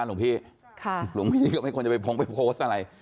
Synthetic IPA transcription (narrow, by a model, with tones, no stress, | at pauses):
lu˩˦pʰiː˥˩ | kʰa˥˩lu˨˩˦ŋpʰiː˥˩kɔː˥˩ma˥˩kʰt͡ɕa˨˩˧jpʰo˧˦˥ŋpa˧jpʰoː˦˥st̪ʔa˧ɾa˧j